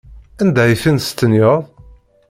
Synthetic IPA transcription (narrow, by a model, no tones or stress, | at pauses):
ænd̪æjəfinst̪ːənjəðˤ